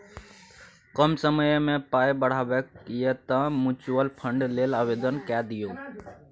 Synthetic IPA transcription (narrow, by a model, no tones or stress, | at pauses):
kəmsəməjmẽpajbəɽ̤abekiet̪ə̃mut͡ʃuwəlpʰəɳɖlelabed̪ənkad̪ijo